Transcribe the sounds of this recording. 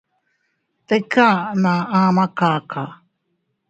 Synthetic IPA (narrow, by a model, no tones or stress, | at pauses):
t̪ekanaamakaːkʰa